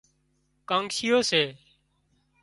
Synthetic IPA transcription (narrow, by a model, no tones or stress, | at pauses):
kãːŋɡʃɪjoːseː